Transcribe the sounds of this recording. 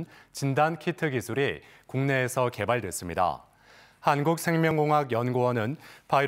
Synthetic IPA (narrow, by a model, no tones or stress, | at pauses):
nt͡ɕindankʰitʰɯɡisʰuɾi | kuŋne̞ːsʰʌke̞baɭdwe̞s͈ɯmɲida̰ | hanɡuk̚sʰe̞ŋmjʌŋɡoŋɦaɡjʌnɡowʌnɯnpai